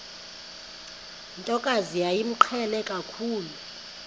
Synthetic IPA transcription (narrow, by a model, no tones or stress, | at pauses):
ntʼɔkʼazijajim̩ǃʰɛlɛkʼakʰuːlu